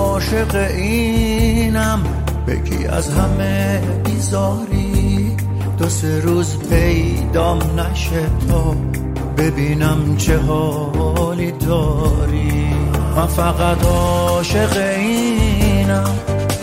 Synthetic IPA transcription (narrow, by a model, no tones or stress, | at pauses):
ɔʃe̞ɣeʔi | næm | bḛkʰḭːæ̰zɦæme | biːzɔːɾi | d̪̥oseɾuːzpʰej | d̪ɔːmnæʃet̪ʰɔː | be̞biːnæmt͡ʃʰeɦɔː | lid̪ɔːɾimænfæɣæt̪ʰɔʃeɣei | næm